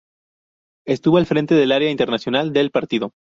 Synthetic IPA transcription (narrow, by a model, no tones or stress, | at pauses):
e̞st̪uβo̞alfɾẽ̞nt̪e̞ðe̞laɾeaint̪e̞ɾnasjo̞nald̪e̞lpaɾt̪iðo̞